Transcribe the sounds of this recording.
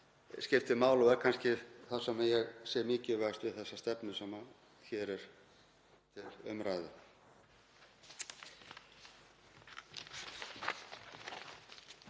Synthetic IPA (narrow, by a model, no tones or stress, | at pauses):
scɪft̪ɪmaːwlɔɛɾkʰanscɪθḁsɛmajɛɣsɛːɾmɪːcɪvajst̪vɪðθɛsːast̪ɛpnʏsɛma | çɛɾɛɾ̥ | t̪ʰɪlʏmɾaːjðʏ